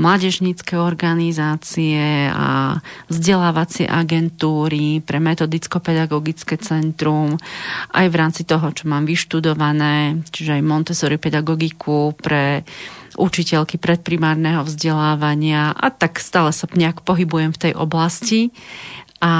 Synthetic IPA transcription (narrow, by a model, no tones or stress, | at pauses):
mlaːɟɛʒɲiːt͡skɛɔɾɡanizaːt͡siɛa̰vzɟɛlaːʋat͡sɪɛ̰ʔaɡɛnt̪uːɾipɾɛmɛt̪ɔd̪it͡skɔpɛd̪aɡɔɡit͡skɛt͡sɛnt̪ɾumʔa̰jʋɾaːmt͡sit̪ɔɦɔt͡ʃɔmaːmʋiʃt̪ud̪ɔʋanɛːt͡ʃiʒɛajmɔnt̪ɛsɔɾipɛd̪aɡɔɡikʰupɾɛ | ʔut͡ʃicɛlkipɾɛt̪̚pɾimaːɾnɛɦɔvzɟɛlaːʋaɲɪaʔa̰t̪akst̪aːlɛsapɲɪakpɔɦibujɛmft̪ɛjʔɔ̰blasci | ʔa